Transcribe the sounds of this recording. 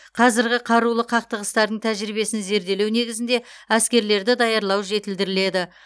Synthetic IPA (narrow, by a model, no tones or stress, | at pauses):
qʰɑzɪɾɡʲɪqʰɑɾulˠəqʰɑq̚t̪əʁəst̪ɑɾd̪əɴt̪ʰæʒɾibe̞sɪnze̞ɾd̪e̞lewne̞ɡʲɪzɪnd̪e̞æskʲe̞ɾle̞ɾd̪ɪd̪ɑjɑɾlˠɑwʒe̞t̪ɪld̪ɪɾɪle̞d̪ɪ